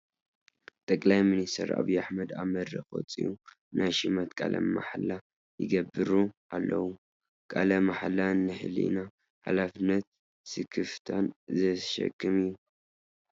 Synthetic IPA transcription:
t̪ʼɐkʼlajminist̪ʰɐ̰ɾa̰βujaħmɐd̪amɐd̪ɾɐxo̰t͡sʼḭʔu | nʔajʃɨmɐt̪kʼalɐ̰mːa̰ħla | jɪ̰ɡɐbɨɾuʔalːɐwu | kʼalɐmaħalanːɨħɨ̰lḭna | ħa̰lafɨnːɐt̪̚ | sɨkʰɨft̪ʰanzɐʃɐ̰kʰʼːɨmijːu

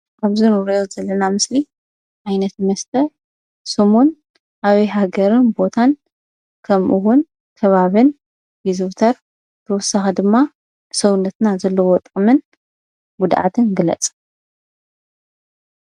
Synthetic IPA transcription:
ʔaβzɨnwɾɐjozɐlːɐnamɨsli | ʕajnɐt̪mɐst̪ʰɐ | sɨmun | ʔaβɐjɦaɡɐɾɨnbo̞t̪ʰan | kʰɐmʔuwʊn | kʰɐβaβɨn | vizut̪ʰɐɾ | t̪ʰɐwɔsːaxɐd̪ɨmːa | sɐwɨnːɐt̪nazɐlːɐwɔt̪ʼɨmɨn | ɡud̪ʕa̰t̪ʰɨnɡɨlɐ̰t͡sʼ

